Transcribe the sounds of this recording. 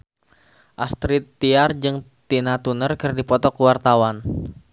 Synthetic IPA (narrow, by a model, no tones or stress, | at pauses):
ʔast̪ɾit̪ːiard͡ʒɨŋ | t̪inat̪unərkɨrdipɔt̪ɔkuwart̪awan